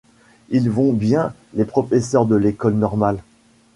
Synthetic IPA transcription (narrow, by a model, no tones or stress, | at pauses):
ilvɔ̃bjɛ̃ | lepχɔfɛsœʁd̪əlekɔlnɔʁmal